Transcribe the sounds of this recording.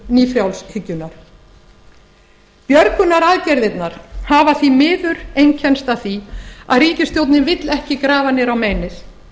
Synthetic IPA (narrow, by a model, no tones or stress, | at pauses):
niːfɾjawlshɪcːʏnaɾ̥ | pjœɾkʏnaɾaːðcɛɾðɪt̪naɾ̥haːvaθimɪːðʏɾejɲcʰɛnst̪aθia̰ðriːcɪst̪jowt̪nɪnvɪt̪lɛhcɪkɾaːvanɛɾawmeːjnɪθ